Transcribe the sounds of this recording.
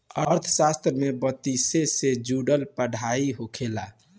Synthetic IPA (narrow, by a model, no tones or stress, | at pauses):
əɾt̪ʰəsast̪ɾəmebət̪isesed͡ʒuɖəlpəɽ̤ʱaiɦokʰela